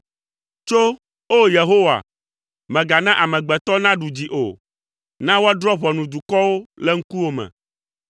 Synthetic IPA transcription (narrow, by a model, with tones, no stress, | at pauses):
t͡ʃo˦ | o˦je˨ɦo˦wa̰˨ | mɛ̃˨ɡa˨nã˦ʔa˨mɛ̃˨ɡ͡bɛ˨t̪ɔ˦nã˦ɖu˨d͡ʑi˨ʔo̰˨ | nã˦wo˦a˦ɖɾɔ˦βɔ˨nũ˨d̪u˨kɔ˦wo˦lɛ˦ŋ̩˦ku˦wo˦mɛ̰̃˨